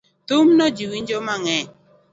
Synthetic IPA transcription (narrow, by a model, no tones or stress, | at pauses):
t̪umnɔd͡ʒiwiɲd͡ʒomaŋɛ